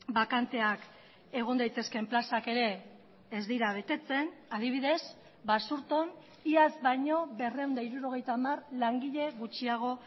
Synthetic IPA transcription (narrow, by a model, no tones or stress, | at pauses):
bakant̪e̞ak | e̞ɣ̞o̞nd̪ajt̪e̞ske̞mplasake̞ɾe̞ː | zd̪iɾaβ̞e̞t̪e̞t͡se̞naðiβ̞iðe̞s | basuɾt̪o̞n | iazβajɲo̞βe̞re̞uwnd̪aiɾuɾo̞ɣ̞e̞jt̪aːmarlaŋɡiʎe̞ɣut͡ʃiaɣ̞o̞